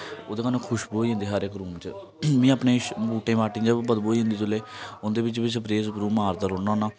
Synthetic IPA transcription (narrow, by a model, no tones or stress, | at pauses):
oːd̪eːkənõːkʰʊʃboːiːɦʊ̃nd̪iːɦaːɾekɾuːmt͡ʃə | mĩːapnẽːbuːʈẽːʋaːʈĩːd͡ʒəbəd̪boːiːɦnd̪iːt̪ʊlːeːʊnd̪eːbɪt͡ʃbɪt͡ʃəpɾeːzpɾuːmaːɾd̪əɾoːnaːnaː